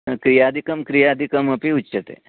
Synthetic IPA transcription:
kɾijaːd̪ʱikɐmkɾijaːd̪ʱikɐmɐpiut͡ʃːɐt̪ḛː

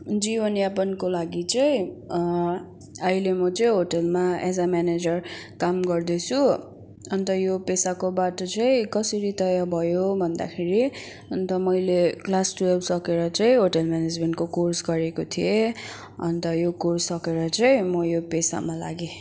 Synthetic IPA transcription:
d͡zibʌnjapʌnkolaɡit͡sʌĩ | ʌilemʌt͡sʌĩɦoʈʌlmaed͡zamaned͡zʌrkamɡʌrd̪et͡sʰu | ʌnt̪ʌjopesakobaʈʌt͡sʌĩkʌsʌɾit̪ʌjabʱʌjobʱʌnd̪a̰kʰeɾi | ʌnt̪ʌmʌjleklasʈuebsʌkeɾʌt͡sʌĩɦoʈʌlmaned͡zmeɳʈkokorsɡʌɾekot̪ʰie | ʌ̰nt̪ʌjokorsʌkeɾʌt͡sʌĩmʌjopesa̰mala̰ɡe

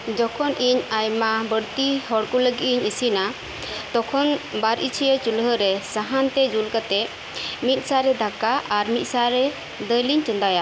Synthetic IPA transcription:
d͡ʒɔkʰɔnʔiɲajmabəɽt̪iɦɔɽkuləɡiʔ̪̚iɲisina | t̪ɔkʰɔnbaɾʔit͡ʃʰijet͡ʃulɦəɾɛsaɦant̪ɛd͡ʒulkat̪ɛʔ̚ | mit̪̚ˀsaɾɛd̪ʱakaʔaɾmit̪̚ˀsaɾɛ | d̪əjliɲt͡ʃɔnd̪aja

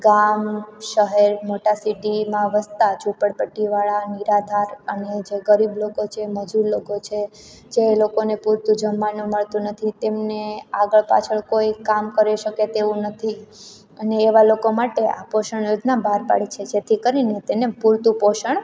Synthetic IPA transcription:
ɡamʃəɦɛɾmoʈasiʈimãʋəst̪ad͡ʒupəɽpəʈːiʋaɭaniɾad̪ʱaɾəned͡ʒeɡəɾiblokot͡ʃʰeməd͡ʒuɾlokot͡ʃʰe | d͡ʒelokonepuɾt̪ũd͡ʒəmːanũməɭt̪ũnət̪ʰit̪emneaɡəɭpa̰t͡ʃʰəɭkoikamkəɾiʃəket̪eʋũnət̪ʰi | əneːʋalokomaʈeʔa̰poʃəɳjod͡ʒnabʱaɾpa̰ɭit͡ʃʰed͡ʒet̪ʰikəɾinet̪enepuɾt̪upoʃəɳ

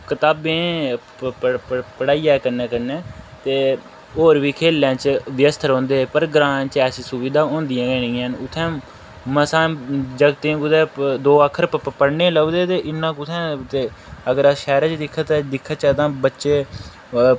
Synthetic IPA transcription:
kət̪aːbẽː | pəɽaːiːaːkəɾnɛːkəɾnɛ̃ːt̪eː | oːɾʋiːkʰeːlːãːt͡ʃʋjəst̪ʰɾõːnd̪eːpəɾɡɾaːnt͡ʃɛːsiːsʊʋiːd̪aːõːnd̪ɪjãːɡɛːnĩːãːnʊt̪ʰːɛ̃ː | məsãːd͡ʒəɡt̪ẽːkʊd̪ɛːd̪oːakʰːəɾpəɽnẽːləɡd̪eːt̪eːʔɪnːãːkʊt̪ʰɛ̃ːt̪eː | əɡəɾaʃɛːɾãt͡ʃd̪ɪkʰːat̪aːd̪ɪkʰːaːt͡ʃaːt̪ãːbətːʃeː

